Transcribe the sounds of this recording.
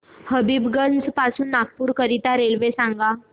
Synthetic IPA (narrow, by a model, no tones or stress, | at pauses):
həbiːbɡənd͡zpasuːnːak̚puːɾkəɾit̪aɾelʋesãŋɡa